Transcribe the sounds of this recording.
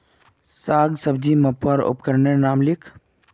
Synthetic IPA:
saːɡsɐbd͡ʒimɐpɐɾʊ̰pkɐɾnenaːmlɪkʰ

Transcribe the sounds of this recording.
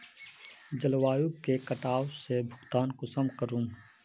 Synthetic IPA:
d͡ʒəlwaːjukkekɐʈaːwsebʱʊɡt̪aːnkosɐmkəɾũːn

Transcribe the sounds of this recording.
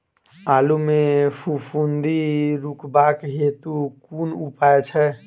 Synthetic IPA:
alumefʰupʰund̪iɾukbakɦet̪ukunupaet͡ʃʰɛ

